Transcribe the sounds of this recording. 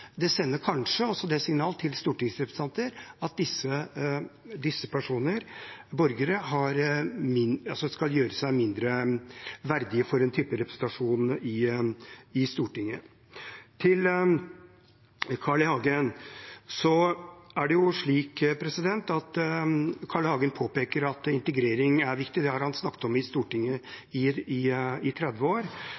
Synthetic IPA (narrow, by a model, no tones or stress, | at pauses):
d̪ɛsɛnːəɾkʰɑnʂəɔsːɔd̪ɛsɪŋnɑːlət̪ʰɪlst̪uːʈɪŋsɾɛpɾəsʰɑnt̪əɾɑt̪̚d̪ɪsːə | d̪ɪsːəpʰæʂuːnəɾbɔɾɡəɾəɦɑɾmɪnɑlsɔskɑljøːɾəsæɪmɪnd̪ɾə | ʋæɾd̪ɪəfɔɾɛnt̪ʰyːpəɾɛpɾəsn̩t̪ɑʂuːnɪ | ɪst̪uːʈɪŋːə | t̪ʰɪl | kʰɑɭəhɑːɡənsɔæɖɛjʊʂɭiːkpʰɾɛsɪd̪ɛnt̪ɑt̪ | kʰɑɭəhɑːɡənpʰoːpeːkəɾɑt̪ɪnt̪əɡɾeːɾɪŋæɾʋɪkt̪ɪd̪ɛhɑɾhɑnsnɑkːət̪ɔmɪst̪uːʈɪŋːəɪɪɪt̪ʰɾɛd̪ʋəoːɾ